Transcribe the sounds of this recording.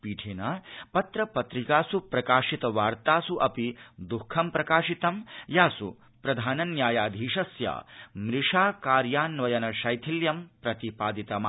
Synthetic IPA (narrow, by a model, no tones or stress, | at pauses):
piːʈʰeːnɐpɐt̪ɾɐpɐt̪ɾikaːsupɾɐkaːʂit̪ɐʋaːɾt̪aːsuʔɐpid̪ukʰːɐmpɾɐkaːʂit̪ɐmjaːsṵ | pɾɐd̪ʱaːnɐnjaːjaːd̪ʱiːʂɐsja̰ːmɾiʂaːkaːɾjaːnʋɐjɐnɐʃɐjt̪ʰiljɐmpɾɐt̪ipaːd̪it̪ɐma